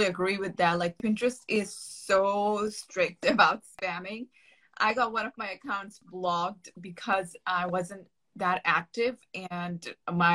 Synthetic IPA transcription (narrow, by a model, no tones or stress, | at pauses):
iɨɡɹiwɨðæt̚laɪk̚pʰɪ̃nt͡ʃɹ̥ɨstɪz̥soʊʊstɹ̥ɪk̚tɨbaʊtspæ̃mɪ̃ŋ | ʔa̰ɪɡɑt̚wʌ̃ñʌvmaɪɨkʰãʊ̃ntsblɔɡ̚dbɨkʰʌzaɪwʌzɨ̃n | ðəɾæ̰k̚tɪvɨ̃nmaɪ